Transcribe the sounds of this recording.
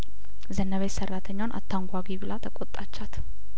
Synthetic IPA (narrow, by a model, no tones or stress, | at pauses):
zənːəβesərːat̪ʰəɲːwanʔa̰t̪ʰːaŋɡʷaɡiβɨlat̪ʰəkʼot̪ʼːat͡ʃːat̪